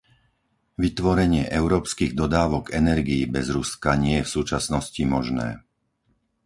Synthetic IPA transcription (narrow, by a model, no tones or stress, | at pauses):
ʋit̪ʋɔɾɛɲɪɛʔɛʊɾɔːpskiːɣd̪ɔd̪aːʋɔɡɛnɛɾɡiibɛzɾuskaɲɪɛjɛfsuːt͡ʃasnɔscimɔʒnɛ̰ː